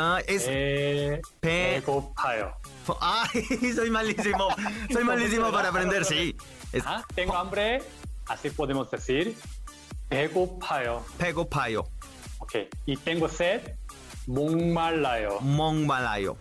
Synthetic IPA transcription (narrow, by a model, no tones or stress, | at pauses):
aes | pekopʰajo̰ | oʔajs̬ojmalisimosojmalis̬imopaɾapɾend̪eɾssi | eat̪eŋɡoambɾe | asipoðemozd̪eθiɾ | peɣopʰajopeɣopʰajo̰ | okḛjit̪eŋɡoset̪̚ | mõŋmalajo̰moŋmala̰jo̰